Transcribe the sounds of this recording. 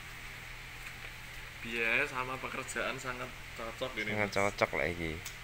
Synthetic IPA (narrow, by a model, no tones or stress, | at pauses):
b̥i̤ɛsamapəkərd̥ʒ̥a̤ʔansaŋat̪̚t͡ʃɔt͡ʃɔk̚dinɪŋət͡ʃɔt͡ʃɔk̚lɛ̰ʔiki